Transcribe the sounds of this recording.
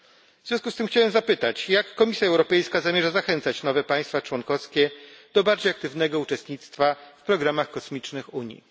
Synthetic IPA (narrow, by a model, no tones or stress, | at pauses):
vvz̥ʲjɔ̃skust̪ɘmxt͡ɕawɛmzapɘt̪at͡ɕjakːɔmʲisʲjaɛwɾɔpɛjskazamʲjɛʐazaxɛnt̪sat͡ɕnɔvɛpaj̃st̪fat͡ʂwɔnkɔskʲɛd̪̥ɔbaɾd͡ʑejak̚t̪ɘvnɛɡɔut͡ʂɛst̪̚ɲit̪st̪fafpɾɔɡɾamaxkɔsmʲit͡ʂnɘxuɲḭ